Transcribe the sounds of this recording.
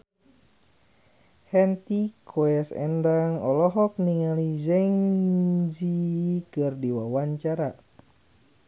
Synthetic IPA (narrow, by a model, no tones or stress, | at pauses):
hɛnt̪ikʰɔɛsɛ̰ndaŋɔlɔɦɔk̚niŋalizɛŋ | zikɨrdiwawaɲt͡ʃaɾa